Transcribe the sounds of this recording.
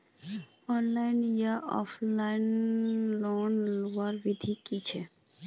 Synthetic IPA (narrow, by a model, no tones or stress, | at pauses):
ɔnlajnijaʔɔ̰flajnlonloaɾbid̪ʱikit͡ɕʰe